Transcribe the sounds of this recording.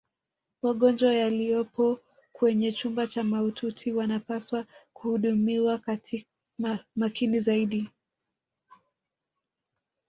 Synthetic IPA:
maɠɔnd͡ʒwajalijɔpɔ | kwɛɲɛt͡ʃumbat͡ʃamautʰutʰiwanapaswakuhuɗumiwak | makinizaiɗi

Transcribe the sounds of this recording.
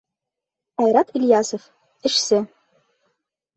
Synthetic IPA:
ajɾatʰiljasof | əʂsɨ

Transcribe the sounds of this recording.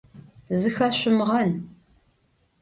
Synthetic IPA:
zɨxɐɕʷʊmʁɐn

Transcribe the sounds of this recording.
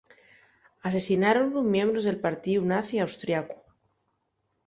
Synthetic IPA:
ase̞sinaɾonlomjẽmbɾozðe̞lpaɾt̪iunaθiawst̪ɾjaku̥

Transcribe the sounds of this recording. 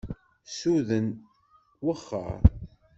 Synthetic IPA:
suðən | wəχːə̰ɾ

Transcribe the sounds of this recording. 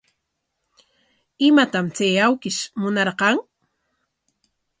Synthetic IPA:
ɪmat̪amt͡sejawkɪʃmʊnɑɾqɑŋ

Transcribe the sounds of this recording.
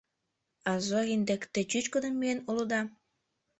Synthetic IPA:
ɑzoɣind̪ekt̪ĕt͡ɕyt͡ɕkod̪ənmienolod̪ɑ

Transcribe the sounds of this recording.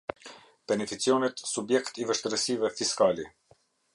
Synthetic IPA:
b̥ɛnɛfit͡siɔnɛt̪subjɛkt̪ivəʃt̪əɾəsivɛfiskali

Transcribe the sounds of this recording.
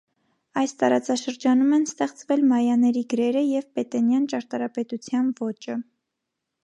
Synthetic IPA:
ɑjst̪ɑɾɑt͡sɑʃəɾd͡ʒɑnumɛnst̪ɛχt͡svɛlmɑjɑnɛɾiɡəɾɛɾəjɛvpɛt̪ɛnjɑnt͡ʃɑɾt̪ɑɾɑpɛt̪ut͡sʰjɑnvɔt͡ʃə

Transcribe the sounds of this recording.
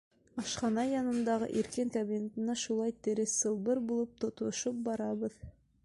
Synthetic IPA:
ɑʃqɑnɑjɑnɤ̆nd̪ɑʁɤ̰ʔiɾkɘŋkɐbʲinʲet̪ɤ̆nɑʃulˠɑjt̪ɘ̆ɾɘssɤ̆lˠbɤɾbulˠɤp̚t̪ŏt̪ŏʃop̚bɑɾɑβɤð

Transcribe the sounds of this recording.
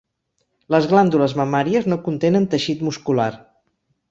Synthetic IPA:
ləzɣland̪uləzməmaɾiəznokunt̪enənt̪əʃit̪muskulaɾ

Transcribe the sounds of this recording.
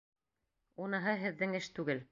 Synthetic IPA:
unɤ̆ɦɤɦɘ̆ðːɘŋɘʃt̪ʉɡɘl

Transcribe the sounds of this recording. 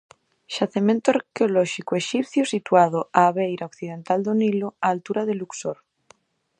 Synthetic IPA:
ʃaθemẽnt̪oaɾkeolɔʃikoeʃipθjosit̪wað̞oaːβejɾaokθið̞ent̪ald̪oniloaːlt̪uɾaðeluksoɾ

